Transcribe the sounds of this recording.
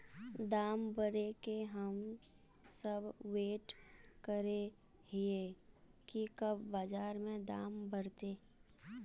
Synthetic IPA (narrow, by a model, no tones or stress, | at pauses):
d̪aːmbəɾekeɦəm | səbweːʈkəɾe | ɦiekikəbːaːd͡ʒaːɾmẽd̪aːmbəɾt̪eː